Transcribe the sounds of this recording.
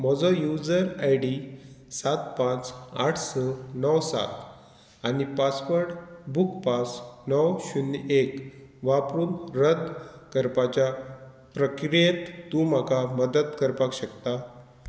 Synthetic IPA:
mɔd͡zɔjud͡zəɾajɖisat̪pãt͡saʈʰsənəwsa̰t̪ | anipaspəɾʈbukpasnəwɕunekʋapɾuːnɾəd̪kəɾpat͡ɕja | pɾəkɾijet̪ːũm̤akʰaməd̪ət̪kəɾpakɕəkt̪a

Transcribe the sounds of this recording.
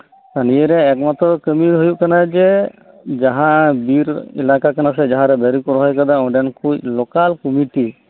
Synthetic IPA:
t̪anijeɾɛɛk̚mat̪ɾɔkəmiɾɦojuʔkanad͡ʒɛ | d͡ʒaɦãbiɾɛ̰lakakanas̬ɛd͡ʒaɦãɾɛbaɾikɔɾɔɦɔjkad̪aɔ̃ɖɛnkʰuc̚lɔkalkɔmiʈi

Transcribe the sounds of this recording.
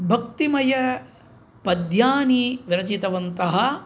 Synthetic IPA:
bʱɐkt̪imɐjɐ | pɐd̪jaːniʋiɾɐt͡ʃit̪ɐʋɐnt̪ɐɦɐ̆

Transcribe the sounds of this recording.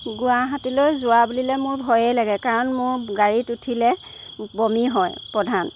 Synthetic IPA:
ɡʊaɦatilojzʊwabulilɛmʊɹbʱɔjɛlaɡɛkaɹɔnmʊɹɡaɹitutʰilɛ | bɔmiɦɔjpɹɔdʱan

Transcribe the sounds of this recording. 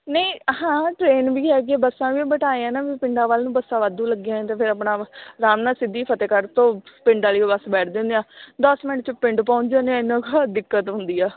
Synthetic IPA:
nəĩːɦãːʈɾeːnʋiːɦɛːɡɛːbəsãːʋiːbəʈaːeãːnãːʋiːpɪɳɖãːʋəlnũːbəsãːʋəd̪ũːləɡjãːẽːt̪eːpʰɪɾəpɳaːɾaːmnaːsɪd̪ːiːpʰət̪eːkəɾt̪õːpɪ̃ɳɖãːliːoːbəsbɛːʈʰd̪ẽːnd̪ejãːd̪ɔsmɪnəʈt͡ʃpɪɳʈpãːɲd͡ʒãːneãːɪnãːkad̪ɪkːət̪ɦʊ̃nd̪iːaː

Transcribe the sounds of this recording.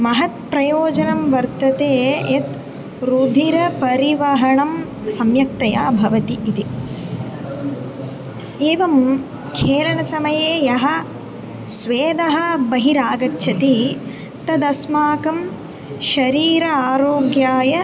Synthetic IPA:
mɐɦɐt̪̚pɾɐjoːd͡ʒɐnɐmʋɐɾt̪ɐt̪eːet̪ | ɾud̪ʱiɾɐpɐɾiʋɐɦɐɳɐm | sɐmjɐk̚t̪ɐja̰ːbʱɐʋɐt̪iʔːt̪i | eːʋɐm | kʰeːlɐɳɐsɐmɐjeːjɐɦɐ̆ | sʋeːd̪ɐɦɐ̆bɐɦiɾaːɡɐt̪ːʃʰɐt̪i | t̪ɐd̪ɐsmaːkɐm | ʃɐɾiːɾɐaːɾoːɡjaːjɐ

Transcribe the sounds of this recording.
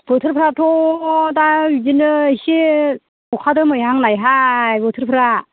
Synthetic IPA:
b̥ɯtʰɯɾpʰɾatʰɔdawid͡ʒinɯsi | ɔkʰadɯmɯjɦaŋlajɦajbɯtʰɯɾpʰɯɾa

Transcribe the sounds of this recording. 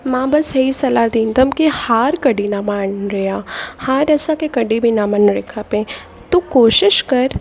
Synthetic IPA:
mãːbɐsɦeisɐlaːd̪iːnt̪ɐmkihaːɾkɐɖinaːmaːnɾeaːhaːɾɛːsãkekɐɖibʱinaːmənɾekʰapẽ | t̪okoːʃɪʃkɐɾ

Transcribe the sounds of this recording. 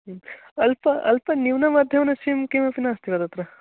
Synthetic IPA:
ɐlpɐɐ̰lpɐniʋnɐmɐd̪ʱjɐʋɐnːɐʃimkemɐpinaːst̪iʋɐd̪ɐt̪ɾɐ

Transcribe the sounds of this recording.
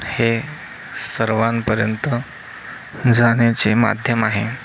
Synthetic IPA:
he | səɾʋanpəɾjənt̪ə | d͡zaɽ̃jat͡sema̰d̪ʱjəmaɦe

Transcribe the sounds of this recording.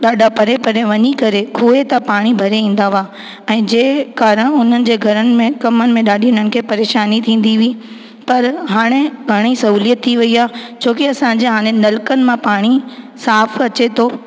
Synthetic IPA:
ɗaːɖʱapɐɾepɐɾeʋɐɲikɐɾekʰuːet̪ɐpaːɽ̃ibʱɐɾeĩːn̆d̪aʋaː | ɛ̃ːd͡ʑeːkaːɾəɽ̃ʊn̤ənɪ̆d͡ʑeːɡʱɐɾənɪ̆mẽkɐmənɪ̆mẽɗaːɗʱiʊnənɪ̆kʰeːpɐɾeːʃaːnit̪ʰĩːn̆d̪iʋi | pɐɾɦaːɽ̃eɡʱɐɽ̃isɐɦuːlijət̪ʰːiʋɐiaːt͡ɕʰoːkiɐsãɲd͡ʑeɦaːɽ̃enɐlkənɪ̆mãpaːɽ̃i | saːfɐt͡ɕet̪ʰoː

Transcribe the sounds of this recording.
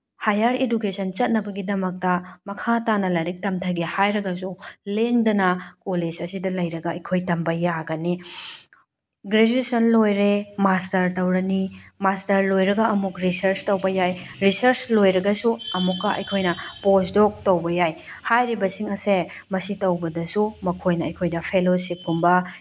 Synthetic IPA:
hajaɾedukesɐnt͡ʃɐt̚nɐbɐɡidɐmɐk̚tɐmɐkʰatanɐlɐɾik̚tɐmtʰɐɡehajɾɐɡɐs̬uleŋdɐnɐkoled͡ʒɐsidɐlɐjɾɐɡɐɐjkʰojtɐmbɐjaɡɐni | ɡɾed͡ʒuesɐnlojɾemastɐɾtɐwɾɐnimastɐɾlojɾɐɡɐːmukɾisɐɾstɐwbɐjajɾisɐɾslojɾɐɡɐsuɐmukːɐʔɐ̰jkʰojnɐposdɔk̚tɐwbɐjaj | hajɾibɐsiŋɐse | mɐsitɐwbɐdɐsumɐkʰojnɐɐjkʰojdɐpʰelosip̚kumbɐ

